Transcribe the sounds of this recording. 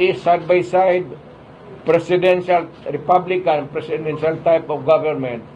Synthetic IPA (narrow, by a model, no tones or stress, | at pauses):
isajd̪̚bajsajd̚ | pɾɛsidɛ̃nʃalɾipablikãnpɾɛsidɛnʃalt̪ajpɔfɡavɛɾmɛ̃nt̪̚